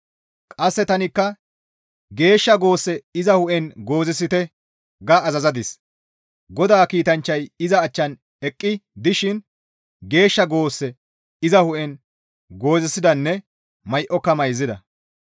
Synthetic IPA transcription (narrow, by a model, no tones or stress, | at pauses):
kʼɐsːɛt̪ɐnɪkːɐ | ɡe̞ːʃːɐɡo̞ːsːɛɪzɐhʊʔɛnɡo̞ːzɪsːɪt̪ɛ | ɡɐːzɐzɐd̪ɪs | ɡɔd̪aːkiːt̪ɐnt͡ʃːɐjɪzɐːt͡ʃːɐn | ɛkʼːɪd̪ɪʃɪn | ɡe̞ːʃːɐɡo̞ːsːɛ | ɪzɐhʊʔɛn | ɡo̞ːzɛsːɪd̪ɐnːɛ | mɐjʔɔkːɐmɐjzɪd̪ɐ